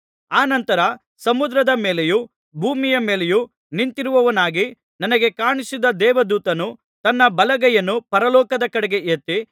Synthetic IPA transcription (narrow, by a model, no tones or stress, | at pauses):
aːnɐnt̪ɐɾɐ | sɐmud̪ɾɐd̪ɐmeːleju | bʱuːmijɐmeːleju | nint̪iɾuʋɐʋɐnaːɡi | nɐnɐɡe̞kaːɳisid̪ɐd̪ɛːʋɐd̪uːt̪ɐnu | t̪ɐnːɐbɐlɐɡɐjɐnːupɐɾɐlɔːkɐd̪ɐkɐɽɛɡe̞ʔet̪ːi